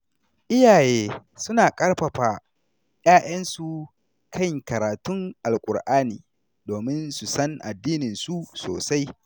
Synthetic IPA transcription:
ʔɪ˦jaː˨jeː˦ | sʊ˦naː˨kʼɐ˦rɸɐ˨ɸaː˨ | jaː˦j̰ɐ˦nsu˨ | kʰɐ˦ŋkɐ˨ɾaː˨tʊ˦ŋʔa˨lkʷʼʊ̰˨ɽʔaː˦nḭː˨ | doː˨mɪ˦nsu˨sɐ˦ŋʔa̰˨dːiː˦nɪ˨nsu˦so̰ː˨sa˦j

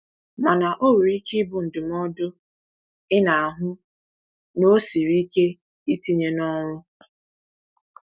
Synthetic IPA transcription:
ma˨na˨ʔo˦ɾu˨ɾi˦ki˦bʊ˨n̩˨dʊ˨m˦ɔ˦dʊ˦ | ɪ˦na˨a˨ɦʊ˦ | no˦si˨ɾi˦ke˦ | i˦ti˦ɲe˦nɔ˦ɾ̃ʊ˦

